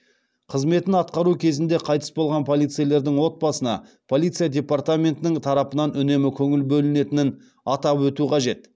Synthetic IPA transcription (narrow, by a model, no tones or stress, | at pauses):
qʰəzme̞t̪ɪnɑt̪̚qɑɾukʲʰe̞zɪnd̪e̞qʰɑjt̪ə̥sbo̞lˠʁɑnpʰo̞lˠijt̪sɨjale̞ɾd̪ɪŋwo̞t̪̚bɑsənɑ̰ | pʰolˠijt̪sɨjadʲe̞part̪amʲe̞nt̪ɪnɪŋt̪ʰɑɾɑpənɑnʏne̞mɪkʲʰɵŋɪlbɵlɪne̞t̪ɪnɪn | ɑt̪ɑpwɵt̪uqʰɑʒe̞t̪